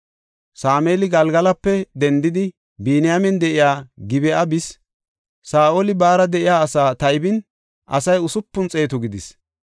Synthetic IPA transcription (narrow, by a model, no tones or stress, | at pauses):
saːmeːlɪɡɐlɡɐlɐpːɛd̪ɛnd̪ɪd̪ɪ | biːnɪjamɛnd̪ɛʔɪjaːɡɪbɛʔɐbɪs | saːʔoːlɪbaːɾɐd̪ɛʔɪjaːsaːt̪ɐɪbɪn | ʔɐ̰sɐjʊsʊpːʊnt͡sʼe̞ːt̪ʊɡɪd̪ɪs